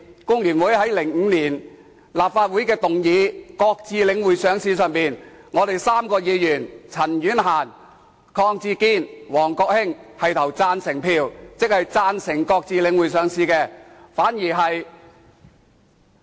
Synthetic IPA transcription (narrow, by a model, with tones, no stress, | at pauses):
kʊ˥ŋjyː˨˩nwuː˨˥jhɐ˨˥jlɪ˨˩ŋŋ̩˨˧niː˨˩n | laː˨p̚faː˧t̚wu˨˥jkɛː˧t̪ʊ˨ŋjiː˨˧kɔː˧k̚t͡siː˧lɪ˨˧ŋwuː˨˩jsœː˨˧ŋsiː˧sœː˨ŋpiː˨nŋɔː˨˧t̪e˨jsaː˥mkɔː˧jiː˨˧jyː˨˩nt͡sʰɐ˨˩njyː˨˥nɦaː˨˩n | kʰɔː˧ŋt͡siː˧kiː˥nwɔː˨˩ŋkɔː˧k̚hɪ˥ŋhɐ˨jt̪ʰɐ˨˩wt͡saː˧nsɪ˨˩ŋpʰiː˧wt͡sɪ˥k̚hɐ˨jt͡saː˧nsɪ˨˩ŋkɔː˧k̚t͡siː˧lɪ˨˧ŋwu˨˩jsœː˨˧ŋsiː˧kɛː˧faː˨˥njiː˨˩ɦɐ˨j